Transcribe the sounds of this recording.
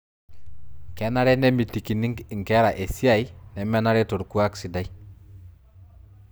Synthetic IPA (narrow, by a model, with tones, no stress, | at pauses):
kɛ˨˦na˦ɾɛ˦ne˦mi˨ti˨ki˨ni˦ŋ˨ŋ˨kɛ˦ɾa˨ʔe˨si˦a˨i˦nɛ˨mɛ˦na˦ɾɛ˦to˨ɾku˦a˦ksi˨da˦i˦